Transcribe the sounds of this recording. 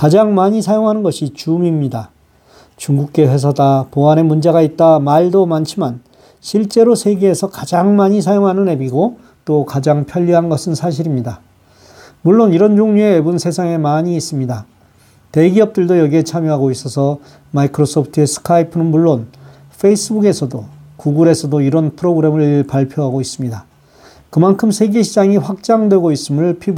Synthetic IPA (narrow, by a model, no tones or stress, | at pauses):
kad͡ʑaŋmaɲisʰajoŋɦanɯnɡʌɕʰit͡ɕuŋimɲida | t͡ɕuŋɡuk̚k͈e̞ɸe̞s̬ʰadapoane̞mund͡ʑeɣait̚t͈amaɭdomant͡ɕʰiman | ɕʰiɭt͡ɕ͈e̞ɾosʰe̞ɡe̞ːsʰʌkad͡ʑaŋmaɲis̬ʰajoŋɦanɯne̞biɡo | t͈okad͡ʑaŋpʰjʌʎːiɦanɡʌsʰɯnsʰaɕ̬ʰiɾimɲida | muɭːoniɾʌnd͡ʑoŋɲue̞ːbunsʰe̞sʰaŋe̞maɲiːs͈ɯmɲida | te̞ɡiʌp̚t͈ɯɭdojʌɡiɦet͡ɕʰamjoɦaɡois͈ʌsʰʌ | maikʰɯɾosʰʌpʰtʰɯe̞sʰɯ̥kʰaipʰɯnɯnmuɭːon | fʰe̞is͈ɯbuɡe̞sʰʌdokuɡuɾe̞sʰʌdoiɾʌnpʰɯɾoɡɯɾe̞mɯɭpaɭpʰjoɦaɡois͈ɯmɲida | kɯmankʰɯmsʰe̞ɡe̞ɕʰid͡ʑaŋiɸwak̚t͡ɕ͈aŋdwe̞ɡois͈ɯmɯɭpʰib